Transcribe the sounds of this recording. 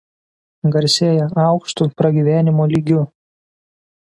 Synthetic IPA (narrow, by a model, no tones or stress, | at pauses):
ɡɐɾʲsʲeːjɛʔɑˑʊkʃt̪ʊpɾɐɡʲiːʋʲæːnʲɪmoːlʲiːɡʲʊ